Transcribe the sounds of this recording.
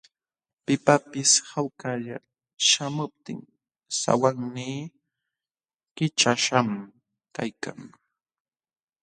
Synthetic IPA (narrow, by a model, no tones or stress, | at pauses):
pɪpapɪshawkaʎa | ʃamʊp̚t̪ɪŋ | sa̰waŋniː | kɪt͡ʃaʃam | kajkaŋ